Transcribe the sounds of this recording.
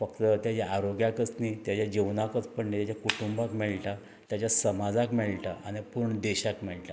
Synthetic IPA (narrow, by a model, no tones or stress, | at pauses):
fəkt̪ət̪jat͡ɕaaɾoɡjakət͡snit̪jat͡ɕjad͡ʑeʋnakət͡spəɳnet̪jat͡ɕjakuʈumbakmɛɭʈa | t̪jat͡ɕjasəmad͡zakmɛɭʈaañipuɾɳəd̪eɕakmɛɭʈa